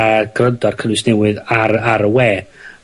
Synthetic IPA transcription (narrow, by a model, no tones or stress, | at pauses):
aɡ̥rəndɔrkʰənɨsnɛwɨðaɾaɾəweː